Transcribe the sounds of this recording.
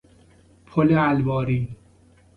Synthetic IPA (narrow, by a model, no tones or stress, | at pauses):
pʰoleælbɒːɾiː